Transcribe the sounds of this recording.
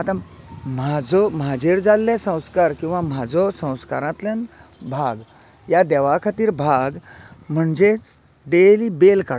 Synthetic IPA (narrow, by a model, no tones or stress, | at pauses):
at̪ã | mad͡zɔmad͡ʑeɾd͡zalːesə̃w̃skaɾkĩw̃ʋamad͡zɔsə̃w̃skaɾãt̪lẽnbʱaɡ | jad̪ɛʋakʰat̪iːɾbʱaɡm̤əɳd͡ze | ɖelibelka